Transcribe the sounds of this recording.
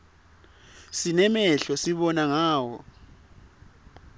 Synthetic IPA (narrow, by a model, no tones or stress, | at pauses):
sinɛmɛɬɔsiɓɔnaŋaːwɔ̰